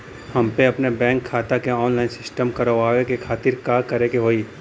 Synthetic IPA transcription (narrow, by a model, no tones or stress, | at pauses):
hɐmpeɐpnebɛ̃ːŋkʰːaːt̪akeɔːnlaːɪnsɪsʈəmkɐɾəaːwekekʰaːt̪ɪɾkaːɾkɐɾekeɦoːiː